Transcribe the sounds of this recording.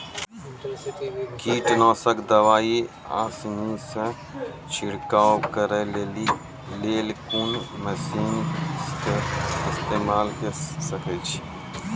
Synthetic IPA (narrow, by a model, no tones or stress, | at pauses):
kiːʈnɔːsəkd̪əʋaːi | a̰ːsnisẽ | t͡ʃʰɪɽkaːwkəɾeleːli | leːlkuːnməsiːn | ɪɪst̪eːmaːlkəsəkət͡ʃʰi̥